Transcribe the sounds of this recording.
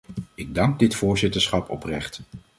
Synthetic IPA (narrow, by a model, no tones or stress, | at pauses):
ɪɡ̚dɑŋɡ̚dɪtfʊːɹzɪtəɹsχɑpʰɔprɛχt